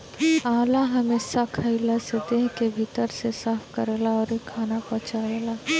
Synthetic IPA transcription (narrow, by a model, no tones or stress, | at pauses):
aːlaɦɐmeːsakʰəilased̪eːɦkebʱit̪əɾsesaːfʰkəɾeːlaɔːɾekʰaːnapɔ̃ːt͡ʃaːeːlaː